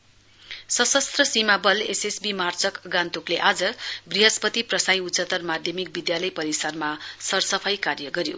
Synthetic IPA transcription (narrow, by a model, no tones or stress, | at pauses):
sʌsʌst̪rʌsimabʌlesesbimart͡sʌkɡãnt̪ukleʔad͡zʌbriɦʌspʌt̪iprʌsaj̃ut̪t͡sʌt̪ʌrmad̪ʱjʌmik̚bid̪jalʌjpʌɾisarmasʌrsʌpʰʌjkarjʌɡʌɾjo̰